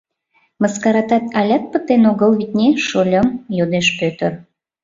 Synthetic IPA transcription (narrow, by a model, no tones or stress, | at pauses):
məskɑɾɑt̪ɑt̪ɑlʲɑt̪̚pət̪enoɣəlβit̪ʲnʲeʃolʲəmjod̪eʃpøt̪ər